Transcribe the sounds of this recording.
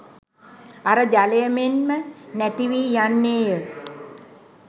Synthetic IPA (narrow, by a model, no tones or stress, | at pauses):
aɾəd͡ʒalejəmenmənæt̪iʋiːjanːeːjə